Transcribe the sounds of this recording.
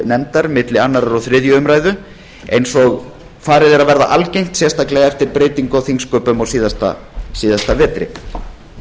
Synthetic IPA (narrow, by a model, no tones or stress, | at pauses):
nɛnt̪aɾmɪt̪lɪanːaɾaɾɔɣθɾɪðjʏʏmɾaːjðʏ | ejnsɔɣ | faːɾɪðɛɾaðvɛɾða̰ʔalcejŋ̥t̪sjɛst̪aklɛɣɛft̪ɪɾpɾeːjt̪iŋkawθiŋskœːpʏmɔɣsiːðast̪a̰ | siːðast̪avɛːt̪ɾɪ̰